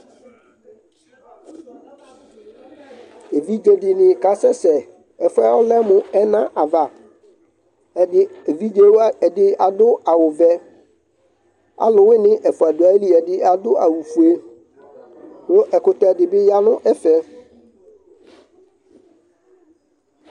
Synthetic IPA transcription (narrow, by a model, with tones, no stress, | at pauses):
e˨vi˦d͡ʒe˨dɪ˨nɪ̃˨ka˨˦sɛ˦sɛ˨ | ɛ˨fʊ˦a˦wɔ˦lɛ˦mʊ̃˨ɛ˦nã˦ʔa˨va˨ | ɪ˦e˨vi˦d͡ʒe˦wɛ˨dɪ˦a˨dʊ˦a˨wʊ˨vɛ˦ | a̰˨˦lʊ˨wɪ˦nɪ̃˦ʔɛ˨fu˨a˨du˨a˨˦li˦ɛ˨dɪ˦a˨dʊ˦a˨wu˨fu˨e˦ | lʊ˦ʔɛ˨kʊ˨tɔ˨ɛ˨dɪ˨bɪ˦ja˦nʊ̃˦ʔɛ˦fɛ˦